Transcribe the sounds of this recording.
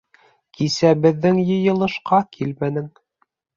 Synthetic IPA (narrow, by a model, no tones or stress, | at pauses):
kʰisæbɘ̆ðːɘŋjɤ̆jɤ̆lˠɤ̆ʃqɑkʰilmænɘ̆ŋ